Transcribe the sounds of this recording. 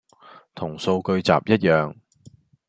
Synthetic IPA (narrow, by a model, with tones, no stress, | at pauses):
t̪ʰʊ˨˩ŋso˧wkɵ˧ɥt͡sa̰ː˨p̚jɐ˥t̚jœː˨ŋ